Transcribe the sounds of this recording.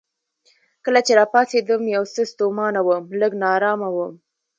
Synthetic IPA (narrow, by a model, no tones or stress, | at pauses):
kəlat͡ʃeɾɑpɑsed̪əmjawsəst̪omɑnawəmləɡnɑɾɑmawəm